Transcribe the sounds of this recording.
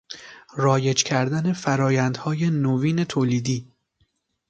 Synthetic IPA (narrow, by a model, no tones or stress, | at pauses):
rɒːjed͡ʒcʲʰæɾd̪æne̞fæɾɒːjænd̪hɒːje̞noviːne̞t̪ʰoːliːd̪iː